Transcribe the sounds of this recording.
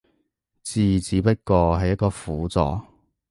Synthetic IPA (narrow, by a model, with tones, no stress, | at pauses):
t͡siː˨˩t͡siː˨˥pɐ˥t̚kɔː˧ɦɐ˨jɐ˥t̚kɔː˧fuː˨˥t͡sɔ̰ː˨˩